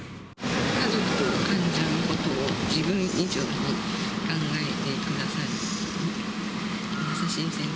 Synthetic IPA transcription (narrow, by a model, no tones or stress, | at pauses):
kazo̞kɯ̥t̪ɯkãɲd͡ʑaɯ̟ko̞t̪o̞ːd͡ʑibɯ̟̃nid͡ʑoːnokãŋɡaet̪e̞kɯ̟d̪asaɾɯ | asaɕĩːnsẽ